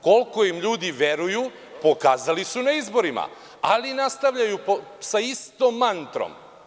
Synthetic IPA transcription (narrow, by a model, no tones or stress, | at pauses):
ko̞lko̞imʎuːd̪iʋe̞ɾuju | po̞kaːzalisunaizbo̞ɾima̰ | alinast̪aʋʎajuposaist̪omːant̪ɾo̰m